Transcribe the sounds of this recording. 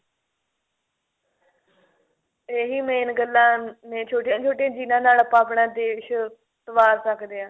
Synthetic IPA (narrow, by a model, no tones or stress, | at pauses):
eːɦiːmẽːɪnɡəlːãːnẽːt͡ʃʰoːʈẽːt͡ʃʰoːʈeãːd͡ʒiːnãːnaːləpãːəpɳãːd̪eːʃ | t̪əʋaːɾsəkd̪eːãː